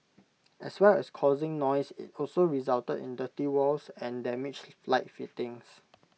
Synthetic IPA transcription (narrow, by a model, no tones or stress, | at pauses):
ʔɛ̰swɛɹɛskʰɔzɪ̃ŋnɔjsɪ̰tɔlsoɹizaltədɪ̰̃ndətiwɔlsɛ̃ndɛmɪd͡ʒflaɪt̚fitɪ̃ŋs